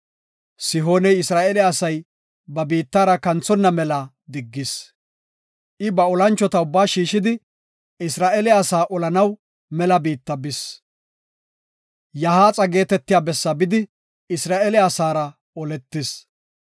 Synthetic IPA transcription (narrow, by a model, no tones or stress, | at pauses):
sɪɦo̞ːnɛjɪsɾaːɛlɛɐsɐj | bɐbiːt̪ːaːɾɐkɐnt͡sːɔnːɐmɛlɐ | d̪ɪɡːɪs | ʔɪbɐɔlɐnt͡ʃːɔt̪ɐʊbːaːʃiːʃɪd̪ɪ | ɪsɾaːʔeːlɛɐsaːʔɔlɐnɐw | mɛlɐbiːt̪ːɐbɪs | jɐhaːt͡sʼɐɡe̞ːt̪ɛt̪ːɪjaːbɛsːɐbɪd̪ɪ | ɪsɾaːʔeːlɪɐsaːɾɐ | ɔlɛt̪ːɪs